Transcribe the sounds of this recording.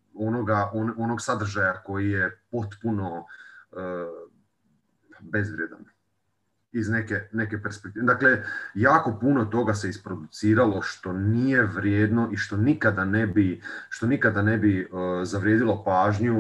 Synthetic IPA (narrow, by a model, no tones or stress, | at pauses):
o̞noɡaonono̞ɡsad̪r̩ʒajako̞jijepo̞t̪puno̞ə | be̞zʋɾjed̪a̰n | izne̞kene̞kepeɾspek̚t̪iːd̪akle̞jaːko̞punot̪o̞ɡase̞ispɾo̞d̪ut̪siːɾalo̞ʃt̪o̞nije̞ʋɾjeːd̪no̞ʔiʃt̪o̞nikad̪ane̞biʃt̪o̞nikad̪ane̞bizaʋɾjed̪ilˠopaːʒɲu